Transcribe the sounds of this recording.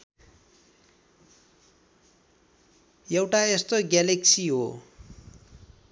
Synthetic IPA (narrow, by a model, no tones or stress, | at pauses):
jʌwʈaest̪oɡjaleksiɦo